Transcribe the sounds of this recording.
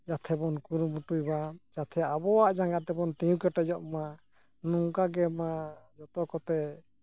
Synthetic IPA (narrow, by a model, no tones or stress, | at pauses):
d͡ʒat̪ʰɛbɔnkuɾmuʈujbad͡ʒat̪ʰɛaʔabɔwaʔd͡ʒaŋɡat̪ɛbɔnt̪ɛjũkɛʈɔd͡ʒɔʔma | nuŋkaɡɛmad͡ʒɔt̪ɔkɔt̪ɛ